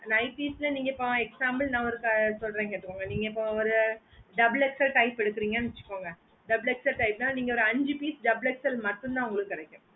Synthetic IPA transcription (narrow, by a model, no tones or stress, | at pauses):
ɐnɐɪpislɐniːŋɡɐɪpːõɛksaːmbɐlnãːɔɾɯkːasɔlɾẽːŋkeːʈːɯkːoːŋɡɐniːŋɡɐɪpːõɔɾɯ | ɖɐblɛksɐlʈɐɪpːɛɽɯkːɪɾiːŋɡɐnʋɛt͡ʃːɯ̥kːoːŋɡɐ | ɖɐbɭɛksɐlʈɐɪp̚nãːniːŋɡɐɔɾɯɐɲd͡ʒipiːsɖɐbɭɛksɐlmɐʈːɯ̃nd̪ãːʊŋɡɐɭɯkːɯkːɪɽɛkʲːʊ̃